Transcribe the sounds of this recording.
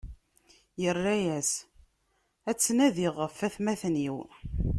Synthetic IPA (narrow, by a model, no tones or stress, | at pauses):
jərːæjæs | æt͡sːnæðiʁəfːæθmæθniw